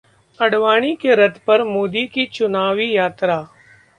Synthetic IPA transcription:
ɐɽʋaːɽ̃ikeɾɐt̪pɐɾmoːd̪ikit͡ʃʊnaːʋijaːt̪ɾaː

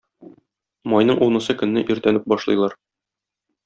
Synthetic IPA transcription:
mɒjnɤɴʔunɤ̆sɤkɵ̆nːɘʔiɾt̪ænɘp̚bɒʃlˠɤ̰̆jlˠɑɾ

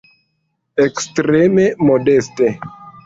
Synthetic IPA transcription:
ekstɾememɔdɛste

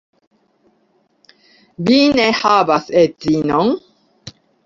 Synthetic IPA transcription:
binɛhaːbasɛt̪zinɔŋ

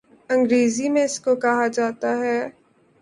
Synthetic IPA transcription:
ɐ̃ŋɡɾeːzimẽɪskokɐɦad͡ʒaːt̪aɦɛː

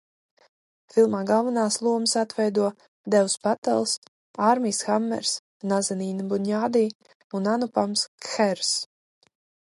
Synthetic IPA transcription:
filˠmaːɡalˠvanaːslˠuɔməsat̪vɛjd̪uɔ | d̪ɛwspat̪ɛ̰lˠs | aɾmʲiːsxamːɛ̰ɾs | nazɛniːnbunʲaːd̪iː | unanupamskxɛɾs

